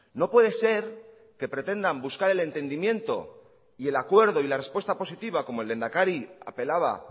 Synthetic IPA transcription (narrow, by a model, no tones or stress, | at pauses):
no̞pwe̞ðe̞se̞ɾ | ke̞pɾe̞t̪e̞nd̪ambuskaɾe̞le̞nt̪e̞nd̪imjẽ̞nt̪o̞̰ | ie̞lakwe̞ɾðo̞ilarespwe̞st̪apo̞sit̪iβ̞ako̞moeld̪e̞nd̪akaɾia̰pe̞laβ̞a̰